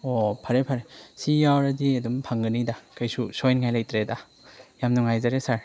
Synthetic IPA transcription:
ɔpʰaɾepʰaɾesiawɾadidumpʰaŋɡɯnidakajsusɔjnŋajlajtɾeda | jamnuŋajzaɾesaɾ

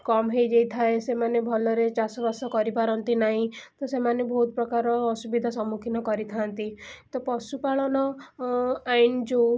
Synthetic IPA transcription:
kɔmɦejd͡ʒejt̪ʰaesemanebʱɔlɔɾet͡ʃasɔbɔsɔkɔɾipaɾɔnt̪inaɦĩt̪ɔsemanebʱɔɦut̪̚pɾɔkaɾɔːsubid̪ʱasɔmukʰinɔkɔɾit̪ʰant̪it̪ɔpɔsupaɭɔnɔ | aind͡ʒo

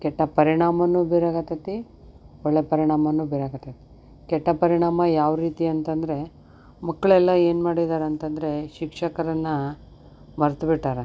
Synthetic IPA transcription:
kɛʈːɐpɐɾiɳaːmɐnːuːbeːɾaːɡɐt̪ɐt̪i | ɔɭːepɐɾiɳaːmɐnːuːbɛːɾaːɡɐt̪ɐt̪i̥ | kɛʈːɐpɐɾiɳaːmɐjaːʋɾiːt̪iɐnt̪ɐnd̪ɾe̞ | mɐkːɐɭɛlːɐeːnmaːɽid̪aːɾeɐnt̪ɐnd̪ɾe̞ʃikʂɐkɐɾɐnːɐ | mɐɾt̪biʈːaːɾɐ

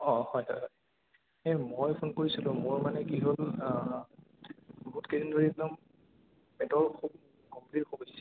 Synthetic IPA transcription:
ɔhɔjɦɔjɦɔj | ɛmojpʰonkoɹisilʊ̃moɹmanɛkiɦol | buɦutkeɹindoɹinɔm | pɛtɔɹkʰub̚ | kɔmplitxobɔjs

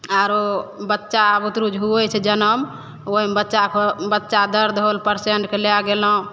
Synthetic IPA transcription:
aɾobətːʃabut̪ɾud͡ʒɦuət͡ʃʰɛd͡ʒənəm | oɦimbətːt͡ʃabətːʃad̪əɾd̪ʱɦolpəɾseɳʈkelejaɡeləɦũ

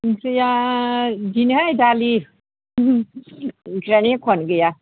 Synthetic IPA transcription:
nkʰɯja | dinɦajdali | ɡɾanikʰɔnɡəja

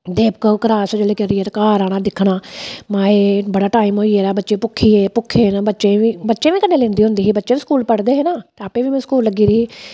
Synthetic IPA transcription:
d̪eːpkəkəɾaːsd͡ʒeːɽeːkɛɾieːɾkaːɾaːɽ̃aːd̪ɪkʰɽaːmãːeːbəɽaːʈaːɪmɦoːieːɾaːbətːʃẽːpʊkʰːiːeːpʊkʰːeːnaːbətːʃẽːʋĩːbətːʃẽːʋiːkəneːlẽːnd̪iːɦʊ̃nd̪iːɦiːbətːʃẽːʋĩskuːlpəɽd̪eːɦeːnaːt̪eaːpẽːʋiːmɛ̃ːskuːlləɡiːɾiɦiː

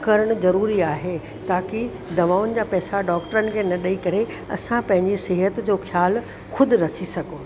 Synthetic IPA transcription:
kɐɾəɽ̃̆zɐɾuːɾiaːɦe | t̪aːkɪ | d̪ɐʋaːʋʊnɪ̆d͡ʑaːpɛːsaɖɔːkʈəɾənɪ̆kʰeːnɐɗəikɐɾe | ɐ̰sãpɐ̃ɦɪ̃ɲd͡ʑisɪɦət̪d͡ʑoːxʰjaːl | xʊd̪ʱʊ̆ɾɐkʰisɐɡʱoː

